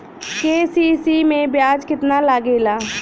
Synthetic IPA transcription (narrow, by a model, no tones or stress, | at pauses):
keːsiːsiːmẽbjaːd͡ʒkɪt̪nalaːɡeːlaː